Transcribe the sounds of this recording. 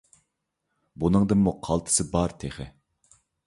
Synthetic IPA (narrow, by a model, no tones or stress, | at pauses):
bunɨŋd̪ɨmːuqʰɑlˠt̪ʰɨ̥sɨbɑɾt̪ʰeχɪ̰